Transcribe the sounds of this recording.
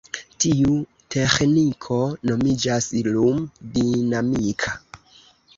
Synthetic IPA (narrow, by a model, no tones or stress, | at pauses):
tiu | te̞xnikʰo̞no̞mid͡ʒasilumdinamikʰa